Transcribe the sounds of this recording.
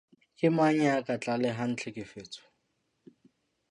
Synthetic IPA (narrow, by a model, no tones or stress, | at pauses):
kʼɪmaɲakʼat͡ɬʼalɛɦan̩t͡ɬʰɛkʼɪfeːt͡sʼɔ̥